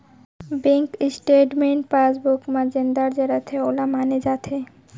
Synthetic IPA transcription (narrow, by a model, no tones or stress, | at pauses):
beŋkisʈeʈmeɳʈ̚pasbukmad͡ʑend̪aɾd͡ʑeɾat̪ʰeolamaned͡ʑat̪ʰe